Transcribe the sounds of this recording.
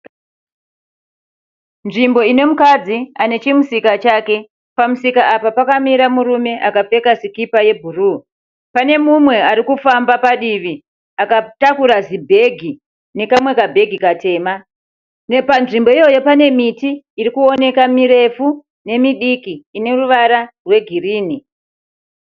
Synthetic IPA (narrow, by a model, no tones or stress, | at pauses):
nʐimbo̞ine̞mukad͡ziane̞t͡ʃimusikat͡ʃaːke̞ | pamusikaapapakamiɾamuɾume̞ʔakafe̞kazikipaje̞bʱuruː | pane̞mumwe̞aɾikufambapaɗiʋi | akatakuɾazibʱe̞ɡʱi | ne̞kamwe̞kabʱe̞ɡʱikate̞ːma | nepanʐimbo̞ijo̞jo̞pane̞mitiː | ɾikuo̞ne̞kamiɾe̞fu | ne̞miɗikiːne̞ruʋaɾarwe̞ɡʱiriːni